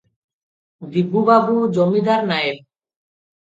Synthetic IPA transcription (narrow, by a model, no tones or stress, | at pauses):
d̪ibːubabud͡ʑomid̪ʱaɾnaeb̚